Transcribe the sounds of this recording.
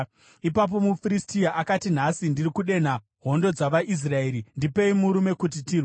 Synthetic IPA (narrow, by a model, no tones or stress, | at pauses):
ipap̬o̞mufiɾistiaʔakatin̤asindirikuɗe̞n̤a | ɦo̞ndo̞d͡zaʋaʔis̬rae̞ːɾindipe̞imuɾume̞kut̬itirw